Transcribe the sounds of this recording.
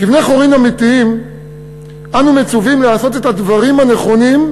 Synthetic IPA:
kifne̞χo̞ʁimamit̪iim | anumet͡suvimleaso̞t̪e̞t̪advaʁimane̞χo̞nim

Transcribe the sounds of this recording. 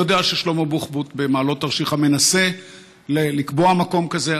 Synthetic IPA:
od̪eaʃejʃlomobuχbut̪bemaːlo̞t̪aʁʃiχame̞nase̞ | lelikboamako̞mkaze̞

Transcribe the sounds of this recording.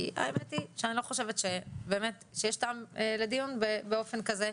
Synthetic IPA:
ʔa̰emet̪iʃeanilo̞χo̞ʃe̞vet̪ʃebe̞ːmet̪ʃejeʃtaamled̪ijunbebeo̞fe̞nkaze

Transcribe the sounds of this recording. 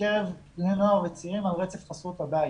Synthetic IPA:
eʁevenavet͡siʁimalʁet͡sefχasut̪aba

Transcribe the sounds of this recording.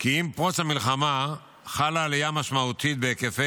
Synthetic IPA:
kiimpʁot͡sshamilχama | χalaːlijamaʃmaut̪it̪̚beːkefe

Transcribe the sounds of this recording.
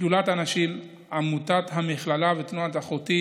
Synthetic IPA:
ulat̪anaʃim | amut̪atɦamiχlalavet̪nuat̪aχot̪i

